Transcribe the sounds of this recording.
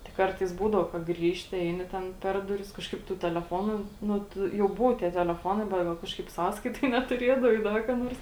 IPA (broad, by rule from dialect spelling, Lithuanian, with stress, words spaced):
tʲɪk ˈkɐrtɐɪs ˈbuːdɐʊ kɐ ˈɡrʲiːʃʲtʲɪ ˈɛɪnʲɪ tʲɛn ˈpʲɛr dʊˌrʲɪs kɐʃˈkɐɪp tʊ tʲɛlʲɛˈfoːnʊ ˈnʊ ˈtʊ jɛʊ ˈbʊʋoː tʲiɛ tʲɛlʲɛˈfoːnɐɪ bʲɛt ˈɡɐlˠ ˈkɑːʃkɐɪp ˈsɑːskɐɪtoːj nʲɛtʊˈrʲeːdɐʋɐɪ ˈdɐ kɐ ˈnoːrs